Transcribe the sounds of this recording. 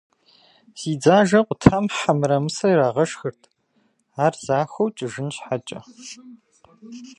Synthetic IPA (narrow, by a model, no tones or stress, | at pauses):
z̥iːd͡zaːʒɐqʷʼʊtʰamħamɨɾɐmɨsɐɾaːʁɐʃxɨrtʰ | aːrz̥aːxʷɐwt͡ʃʼɪʒɪnɕħat͡ʃʼɐ̰